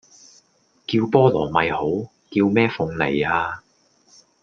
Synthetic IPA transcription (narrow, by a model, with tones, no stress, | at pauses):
kiː˧wpɔː˥lɔː˨˩mɐ˨jho˨˥w | ki˧wmɛː˥fʊ˨˧ŋnḛ˨˩jaː˧